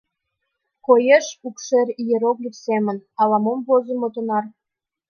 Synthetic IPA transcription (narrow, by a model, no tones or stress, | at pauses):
kojeʃukʃerʲijeɾoklʲifsemə̆nɑlˠɑmombozə̆mot̪ŏnɑr